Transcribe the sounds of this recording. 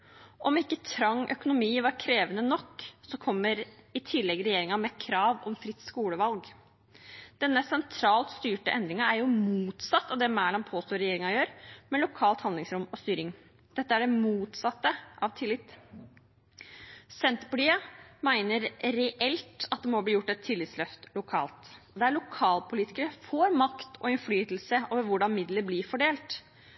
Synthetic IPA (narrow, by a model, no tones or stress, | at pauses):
ʔɔmɪkːət̪ʰɾɑŋːʔœkʊnʊmiːʋɑɾkʰɾeːʋənənɔkːsɔkʰɔmːəɾɪt̪ʰɪlːɛɡɾɛjeːɾɪŋɑmɛkʰɾɑːʋɔmfɾɪt̪ːskuːləʋɑlɡ | d̪̥ɛnːəsɛnt̪ʰɾɑːlt̪st̪yːʈəʔɛnd̪ɾɪŋɑæɾjʊmuːt̪sɑt̪ːɑʋd̪ɛːmæːɭɑnpʰoːst̪oːɾɛjeːɾɪŋɑjøːɾmɛlʊkʰɑːlt̪hɑnd̪lɪŋsɾʊmɔst̪yːɾɪŋ | d̪̥ɛt̪ːəæɖɛmuːt̪sɑt̪ːəʔɑʋt̪ʰɪlːɪt̪ | sɛnt̪pʊʈiːəmæɪnəɾɾɛʔɛlt̪ɑt̪̚d̪ɛmɔbliːjʊʈːɛt̪ʰːɪlːɪt̪slœft̪lʊkʰɑ̰ːlt̪ | d̪ɛæɭʊkʰɑːlpʰʊliːt̪ɪ̥kəɾəfoːɾmɑkt̪ʰɔ̰ɪnflyːt̪l̩səoːʋəɾʋʊɖɑnmɪd̪ləblɪɾfɔɖeːlt̪